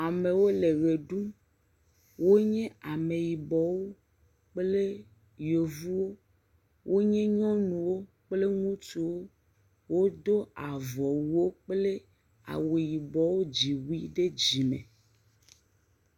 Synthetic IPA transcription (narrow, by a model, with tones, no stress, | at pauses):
a˨me˨wo˦le˨ɣe˨ɖu˦m | wo˦ɲɛ̃˦a˨me˨ji˨bɔ˨wo˦ | k͡ple˦ | jo˨vu˦wo˦ | wʔo˦ɲɛ̃˦ɲɔ̃˦nũ˨wo˦ | k͡ple˦ŋũ˦tu˨wo˦ | wo˦d̪o˦a˨vɔ˨wu˨wo˦k͡ple˦ | a̰˨we˨ji˨bɔ˨wo˦d͡ʑi˨wu˦i˦ɖe˦d͡ʑi˨mḛ̃˨